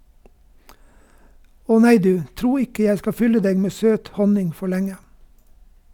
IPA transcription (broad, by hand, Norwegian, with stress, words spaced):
ˈɔ ˈnæɪ ˈdʉː ˈtɾuː ˈɪkə ˈjæɪ ˈskɑ ˈfʏlə ˈdeːɡ ˈmeː ˈsøːt ˈhɔnɪŋ ˈfɔ ˈlɛŋə